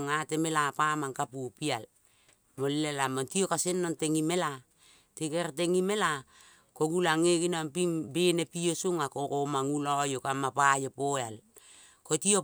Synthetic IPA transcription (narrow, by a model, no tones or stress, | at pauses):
ŋatemelapamaŋkapupial | molilelamontiokasenːonteŋimela | tekeɾteŋime̞la | koɡulaŋeɡinampimbenepiosuŋakokomaŋulajokamapajopoeal | kotio